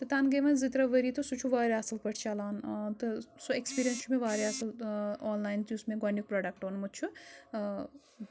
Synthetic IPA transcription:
t̪ɨt̪anɡɐjʋɐnzɨt̪ɾɐʋɐɾit̪osut͡ʃʰuʋaːɾiɐsɐlpɐʈʰt͡ʃʰalaːnt̪ɨsuekspiɾʲijɐnst͡ʃʰumeʋaːɾeɐsɐloːnlaːjnt̪iusmeɡɐnjuk̚pɾoːɖɐk̚ʈoːnmut̪̚t͡ʃʰu

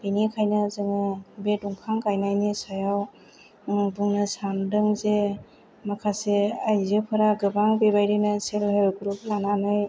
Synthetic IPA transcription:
binikʰajnɯzɯŋɯbetuŋkʰaŋkajnajnisajaw | buŋnɯsandɯŋze | makʰaseajzɯpʰɯɾaɡɯbaŋbebajɾinɯselhelɡɾup̚lananɯj

